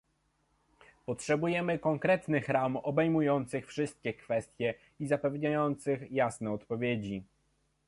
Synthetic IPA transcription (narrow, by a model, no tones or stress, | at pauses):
pɔtʂɛbujɛmɘkɔŋkɾɛt̪nɘxɾamɔbɛjmujɔnt̪sɘxfʂɘst̪̚kʲɛkfɛst̪ʲjɛ | izapɛvɲajɔnt̪sɘxjasnɛɔt̪pɔvʲjed͡ʑi